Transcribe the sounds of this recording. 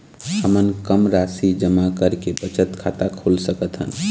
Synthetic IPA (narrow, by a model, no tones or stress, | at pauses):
həmənkəmɾasid͡ʒəmakəɾkebət͡ʃət̪kʰat̪akʰolsəkət̪ɦə̰n